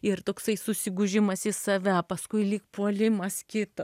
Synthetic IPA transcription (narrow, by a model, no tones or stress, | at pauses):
ɪrt̪oːksɐɪsʊsʲɪɡʊʒʲɪmɐsɪsɐʋʲæpɐskʊɪlʲiːk̚puɔlʲɪmɐskʲɪt̪ɐ